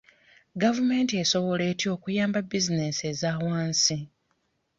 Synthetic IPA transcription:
ɡavume̞ːntie̞so̞βo̞le̞ːtio̞ːkujaːmbabizine̞se̞zaːwaːnsi

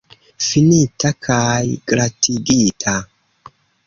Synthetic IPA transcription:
finitakʰajɡ̥ɾatʰiɡitʰa

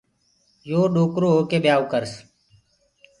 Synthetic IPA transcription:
joːɗoːkɾoːɦokeːɓjaːokəɾs

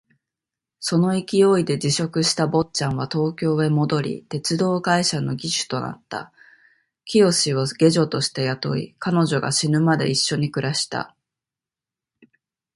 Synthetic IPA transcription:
so̞no̞ikʲijo̞ːid̪e̞d͡ʑiɕo̞kɯ̟ɕi̥t̪abo̞t͡ɕãɰ̃β̞at̪o̞ːkʲo̞ːe̞mo̞d̪o̞ɾʲḭt̪e̞t͡sɨd̪o̞ːɡaiɕano̞ɡʲiɕɨ̥t̪o̞na̰t̪ːa̰ | kʲijo̞ɕiβoɡʲe̞ʑo̞t̪o̞ɕi̥t̪e̞jat̪o̞̰ḭkano̞ʑo̞ɡa̰ɕinɯ̟mad̪e̞̰iɕːo̞ɲ̟ikɯ̟ɾaɕi̥t̪a̰

